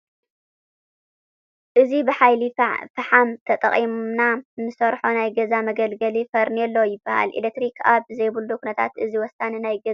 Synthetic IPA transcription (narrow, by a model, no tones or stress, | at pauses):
ʔɨzibɨħajlifɐħamt̪ʰɐt̪ʼɐ̰χʼimnanɨsɐɾħonajɡɐzamɐɡɐlɡɐlifɐɾniɛlːɐwjɪbːaha̰lʔḭlek̚t̪ɾikʰa̰βzɐjbuld̪ukʰunɐt̪ʰa̰t̪ɨziwɔsaninajɡɐ